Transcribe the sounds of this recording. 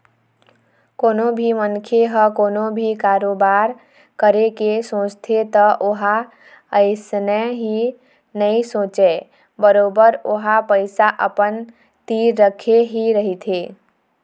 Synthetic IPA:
koːnobʱimənkʰeɦəkoːnobʱikaːɾoːbaːɾ | kəɾekesõːt͡ʃt̪ʰet̪əʔoɦa | əɪsnəɦi | nəĩsõːt͡ʃe | bəɾoːbəɾoɦapəɪsaʔəpən | t̪iːɾːəkʰeɦiɾəɦit̪ʰeː

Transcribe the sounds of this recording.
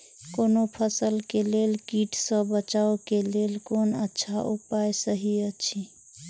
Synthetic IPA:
konopʰəsəlkelelkiʈsə̃bət͡ʃaokelelkonətːʃʰaʔupajsəɦiət͡ʃʰi

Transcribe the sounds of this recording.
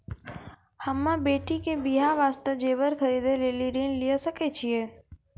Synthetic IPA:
həmːãbeːʈʰikebiɦaʋaːst̪əd͡ʒeʋəɾkʰəɾid̪ʱeleliɾinlijəsəket͡ʃʰije

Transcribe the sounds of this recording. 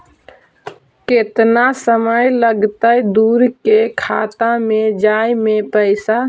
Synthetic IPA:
ket̪nasəməjləɡt̪əjd̪uːɾkekʰat̪ãmẽd͡ʒajmepəɪsa

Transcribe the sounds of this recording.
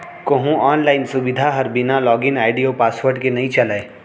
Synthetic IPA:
koɦũɔːnlaːɪnsʊbɪd̪ʱaɦɐɾbɪnalɔːɡɪnaːɪɖijopaːswəɾɖkenɐɦĩt͡ʃɐlae

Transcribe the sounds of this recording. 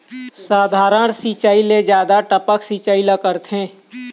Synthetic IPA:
saːd̪ʱaːɾəɳ̃sit͡ʃaːiled͡ʒjaːd̪aʈəpəksiːt͡ʃaːiləkəɾt̪ʰɦẽː

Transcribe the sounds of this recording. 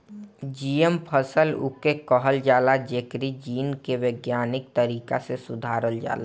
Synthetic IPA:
d͡ʒiːəmpʰəsəlʊ̰kekɔɦəld͡ʒaːlad͡ʒekɾid͡ʒiːnkeʋeːɡjaːnɪk̚t̪əɾiːkasesʊd̪ʱaːɾəld͡ʒa̰ːla

